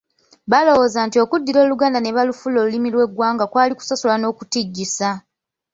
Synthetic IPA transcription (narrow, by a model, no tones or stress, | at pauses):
βalo̞wo̞ːzaːntio̞kudːiɾo̞ːluɡaːndaneβalufulo̞ːlulimilwe̞ɡwaːŋɡakwaːliku̥sasulano̞ːkutiɟːisa